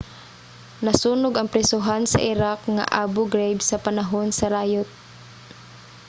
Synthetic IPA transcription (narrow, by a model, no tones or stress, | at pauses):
nɐsuːnʊɡɐŋpɾɛsʊɦansɐ̰ʔɪɾakŋa̰ʔabʊɡɾejbsɐpanaɦonsɐɾaːjot̪̚